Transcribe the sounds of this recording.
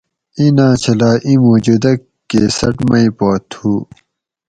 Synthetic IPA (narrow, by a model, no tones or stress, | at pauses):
ĩnãːt͡ɕʰɐlaːʔĩmoːd͡ʑud̪ɐkːesɐʈmɐĩpoːt̪ʰuː